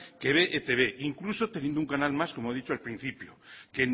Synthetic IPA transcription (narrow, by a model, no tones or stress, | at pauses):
keβeʔet̪eβeʔiŋklusot̪enjend̪ouŋkanalmaskomoaðit͡ʃoalpɾin̟θipjoken